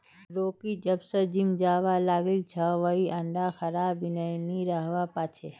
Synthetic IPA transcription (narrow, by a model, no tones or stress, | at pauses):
ɾoːkid͡ʒɐbsəd͡ʒɪmd͡ʒaːʋalaːɡɪlt͡ʃʰɐʋəɦiʔɐ̃ɳɖaxɐɾaːbɪnəniɾəɦʋapaːt͡ʃʰe